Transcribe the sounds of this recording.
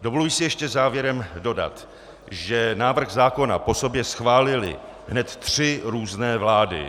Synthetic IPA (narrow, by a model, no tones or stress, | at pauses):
dovolujsɪjɛʃcɛzaːvjɛɾɛmdo̞da̰t̪ | ʒɛnaːvr̩xzaːko̞na̰po̞so̞bjɛsxvaːlɪlɪ̰ | ɦnɛt̪t̪r̥ɪɾuːznɛːvlaːdɪ̰